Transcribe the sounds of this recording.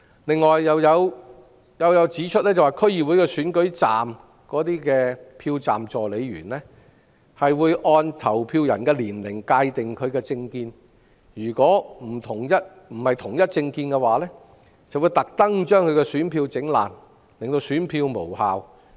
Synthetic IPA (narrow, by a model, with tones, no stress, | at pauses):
lɪ˨ŋːɔː˨jːɐ˨˧wjɐ˨˧w | jɐ˨˧wjɐ˨˧wt͡siː˨˥t͡ʃʰt̚lɛː˥t͡sɐ˨wa˨˩kʰɵ˥ɥjiː˨wuː˨˥jkɛː˧syː˨˥nkɵ˨˥ɥt͡saː˨m | kɔː˨˥t̪iː˥kɛː˧pʰiː˧wt͡saː˨mt͡sɔː˨le˨˧jɥyː˨˩nlɛ˥ | hɐ˨jwuː˨˧jʔɔː˧nt̪ʰɐ˨˩wpʰiː˧wjɐ̰˨˩nkɛː˧liː˨˩nlɪ˨˩ŋkaː˧jt̪ɪ˨ŋkʰɵ˨˧ɥkɛː˧t͡sɪ˧ŋkiː˧n | jyː˨˩kɔː˨˥m̩˨˩t̪ʰʊ˨˩ŋjɐ˥t̚ | m̩˨˩hɐ˨jt̪ʰʊ˨˩ŋjɐ˥t̚t͡sɪ˧ŋkiː˧nkɛ˧waː˨˧lɛː˥ | t͡sɐ˨wu˨˧jt̪ɐ˨k̚t̪ɐ˥ŋt͡ʃœː˥ŋkʰɵ˨˧ɥkɛ˧syː˨˥npʰiː˧wt͡sɪ˨˥ŋla̰ː˨˩n | lɪ˨ŋt̪o˧wsyː˨˥npʰiː˧wmo˨˩whaː˨w